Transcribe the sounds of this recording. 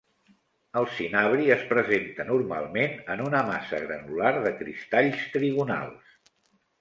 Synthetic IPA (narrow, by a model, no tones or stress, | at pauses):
əlˠsinaβɾiəspɾəzent̪ənuɾma̰lˠmenənunəmasə̰ɣɾə̰nulaɾðəkɾḭst̪aʎst̪ɾiβuna̰lˠs